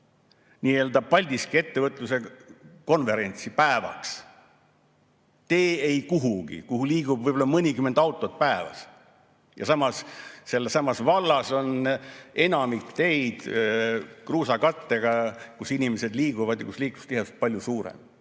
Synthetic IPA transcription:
niːe̞ld̪ɑb̚pɑlʲd̪̥iskie̞t̪ːe̞vɤt̪ːˑluse̞ko̞nve̞ɾe̞nʲt̪sipæevɑ̰ks | t̪e̞ːejkuɦuɡ̥ḭkuɦuliːɡ̥ub̥vɯjbolɑmɤnʲikymːend̪ɑwt̪ˑːo̞t̪̚pæevɑ̰s | jɑ̰sɑmɑsse̞lːesɑmɑsvɑlːɑso̞ne̞nɑmikt̪e̞jd̪̥ | kruːsɑkɑt̪ːe̞ɡ̥ɑkusinʲimese̞d̪liːɡuvɑd̪jɑ̰kusliːkːˑu̥st̪iɦese̥t̪̚pɑlʲjusuːɾḛm

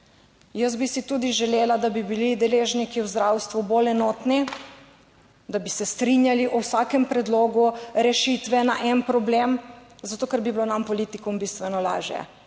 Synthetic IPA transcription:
jəzbisit̪ud̪iʒɛleːlad̪abibilid̪ɛleʒnikiwzd̪ɾawst̪ʋubolɛnɔːt̪ni | d̪abisɛst̪ɾinjaliʔɔwsaːkɛmpɾɛd̪loːɡuɾɛʃit̪ʋɛnaʔɛnpɾɔblemzat̪oːkɛɾbiblonampɔlit̪ikɔmbist̪ʋɛnɔla̰ːʒjɛ̰

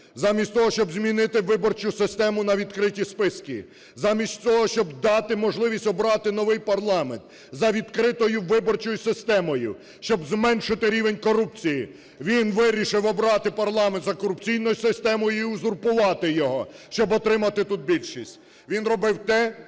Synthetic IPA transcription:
zɑmʲisʲt̪ɔɦɔʃt͡ʃɔbzmʲinɪt̪ɪʋɪbɔrt͡ʃʊsɪst̪ɛmʊnɐʋʲid̪kɾɪtʲispɪskʲḭ | zɑmʲisʲtʲt͡s̪ʲɔɦɔʃt͡ʃɔbd̪ɑt̪ɪmɔʒlˠɪʋʲisʲɔbɾɑt̪ɪnɔʋɪjpɐrlˠɑment̪ | zɐʋʲid̪kɾɪt̪ɔjʊʋɪbɔrt͡ʃɔjʊsɪst̪ɛmɔjʊ̰ | ʃt͡ʃɔbzmɛnʃɪt̪ɪɾʲiʋenʲkɔɾup̚t͡sʲiji | ʋʲinʋɪɾʲiʃɪwɔbɾɑt̪ɪpɐrlˠɑment̪zɐkɔɾʊpt͡sʲijnɔjʊsɪst̪ɛmɔjʊiʊzʊrpʊʋɑt̪ɪjɔɦɔʃt͡ʃɔbɔt̪ɾɪmɐt̪ɪt̪ut̪̚bʲilʲʃisʲtʲ | ʋʲinrɔbɪwt̪ɛ

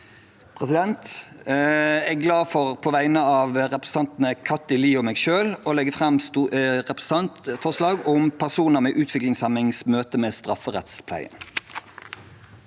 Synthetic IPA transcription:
pʰʁɛsɪd̪ɛnt̪ | ɛɡlɑːfɔʁpʰɔʋæɪnəɑːʋʁɛpʁəsəɑnt̪n̩əkʰɑt̪ːɪliːɔmɛːɡʃøːloːlɛɡəfʁɑmsʁɛpʁəsɑnfɔʁslɑːɡɔmpʰæʁsuːnəʁmɛːʔʉːt̪ʰʋɪklɪŋsɛmɪŋsmøːt̪əmeːst̪ʁɑfəʁɛ̰t̪spʰlæ̰ɪə̰n

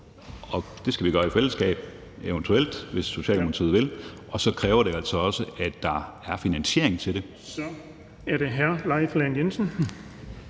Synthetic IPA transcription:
ɒ̽d̥e̝sɡ̥æʋiɡ̥ɶɐifel̰əsɡ̥ɛ̰ːb̥ | eʊənt͡sʰuel̰d̥ʋe̝sːo̝ɕɛ̰ːlmokʰɑt͡sʰḭðˠʋe̝lʔɒ̽sɒ̽kʰʁɛːʊɐɾ̥e̝æl̰sɒ̽ɒ̽səæd̥ːɑ̈æɐfinænɕe̝ɐ̰e̝ŋt͡sʰe̝ɾ̥e̝ | sɒ | æɐɾe̝ɦæɐlɑɪflɛnjensən̩

